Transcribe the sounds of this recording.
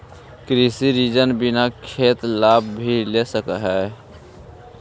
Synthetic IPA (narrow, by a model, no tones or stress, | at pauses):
kɾisiɾid͡ʒənbɪnakʰeːt̪laːb̚ʱbʱilesəkəɦɛː